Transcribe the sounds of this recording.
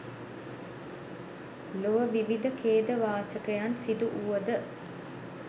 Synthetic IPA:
loʋəʋiʋid̪əkʰeːd̪əʋaːt͡ʃəkəjansid̪uʔuʋəd̪ə

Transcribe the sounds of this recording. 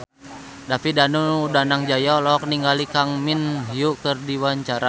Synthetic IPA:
dapidanudanaŋd͡ʒajɔlɔk̚niŋɡalikaŋminɦiuʔkərdiwaɲt͡ʃaɾa

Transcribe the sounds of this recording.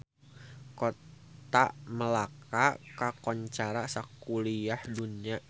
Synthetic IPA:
kot | t̪aʔməlakakakɔɲt͡ʃaɾasakuliahduniaʔ

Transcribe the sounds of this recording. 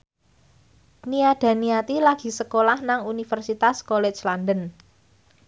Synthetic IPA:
niaɖ̥a̤niat̪ilaɡ̥i̤səkolahnaŋunifərsit̪askolɛ̥t͡ʃlandən

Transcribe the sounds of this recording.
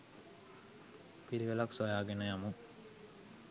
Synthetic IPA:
piɾiʋelaksojaːɡenəjamu

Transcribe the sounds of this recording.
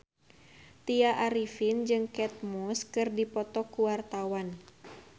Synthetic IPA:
t̪iaʔaɾifind͡ʒɨŋkɛt̪̚mɔskɨrdipɔt̪ɔkuwart̪awan

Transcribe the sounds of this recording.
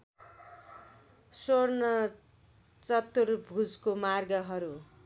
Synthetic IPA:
sornʌ | t͡sʌt̪ːurbʱud͡zkomarɡʌɦʌɾu

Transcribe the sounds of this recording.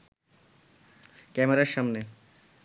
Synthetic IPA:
kɛmeɾaɾʃamne

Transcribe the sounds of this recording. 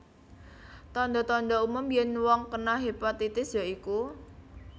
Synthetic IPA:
t̪ɔnd̪ɔt̪ɔnd̪ɔumʊmjɛnwɔŋkənaɦepat̪it̪ɪsjaiku

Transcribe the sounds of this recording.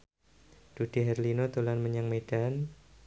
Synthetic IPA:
d̥ud̥iɦɛrlinot̪ulanməɲaŋmed̥an

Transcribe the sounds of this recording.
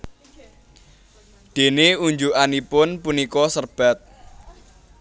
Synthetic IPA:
d̪̥e̤neuɲd͡ʒuʔanipʊnpunikɔsərb̥a̤t̪̚

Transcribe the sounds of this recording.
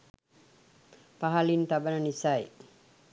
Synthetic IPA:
paɦalint̪abənənisaj

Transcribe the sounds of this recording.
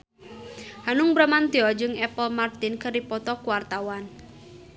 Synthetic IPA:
hanʊŋbɾamant̪iɔd͡ʒɨŋɛpɔlmart̪ɪnkəripɔt̪ɔkuwart̪awan

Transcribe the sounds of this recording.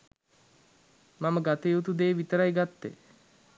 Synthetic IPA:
maməɡat̪ejut̪ud̪eːʋit̪əɾajɡat̪ːḛ

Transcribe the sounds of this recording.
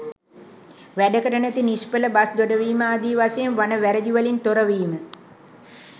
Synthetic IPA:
ʋæɖəkəʈənæt̪inispələbasd̪oɖəʋiːməaːd̪iːʋasejenʋanəʋæɾəd͡ʒuʋəlint̪oɾəʋiːmə

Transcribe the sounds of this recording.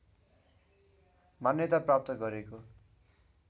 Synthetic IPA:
manjʌt̪aprap̚t̪ʌɡʌɾeko

